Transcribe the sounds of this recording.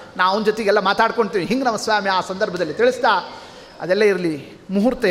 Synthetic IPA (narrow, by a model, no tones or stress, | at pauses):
naːʋond̪d͡ʒot̪eɡɛlːɐmaːt̪aːɽko̞ɳt̪iːʋiɦiŋɡnɐmɐsʋaːmiaːsɐnd̪ɐɾbʱɐd̪ɐlːit̪iɭist̪aː | ɐd̪ɛlːɐiɾɐli | muɦuɾt̪e